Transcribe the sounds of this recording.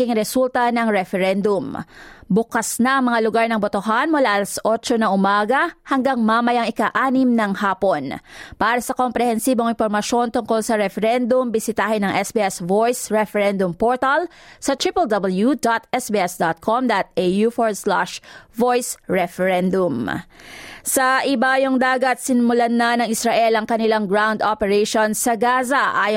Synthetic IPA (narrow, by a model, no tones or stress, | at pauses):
iŋɾɛsult̪ɐnɐŋɹɛfɛɾɛnd̪ʊmbʊkasnɐʔɐŋmɐŋalʊɡaɹnɐŋbot̪oɦanmʊlaʔɐlɐsʔot͡ʃonɐŋʔʊmaːɡɐhɐŋɡaŋmamɐjɐŋɪkaʔaːnɪmnɐŋhaːpo̞npaːɾɐsɐkompɾɛhɛnsiːbo̞ŋɪnpoɾmɐʃo̞nt̪ʊŋko̞lsɐɾɛfɛɾɛnd̪ʊmbɪsɪt̪aːhɪnɐŋʔɛsbiːʔɛsvojsɹɛfɛɾɛnd̪ʊmpoɹt̪ɐlsɐt̪ɾipɐld̪ɐbɐljud̪ot̪ɛsbiːʔɛsd̪ot̪̚kʰomd̪ɐt̪̚ʔejufoɹsla̰ʃvojsɹɛfɛɾɛnd̪ʊm | sɐʔɪbajoŋd̪aːɡɐt̪̚sɪnmʊlanːɐnɐŋɪsɾɐʔɛlɐŋkɐnɪlaŋɡɹawnd̪opɛɾɛʃonsɐɡaːzɐʔaːj